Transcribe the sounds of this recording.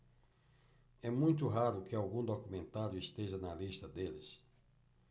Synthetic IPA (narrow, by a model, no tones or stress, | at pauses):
ɛmũj̃t̪̬ʊɦaɾʊkɪawɡũd̪okumẽnt̪aɾjʊist̪eʒɐnɐlist̪ɐd̪elɪ̰s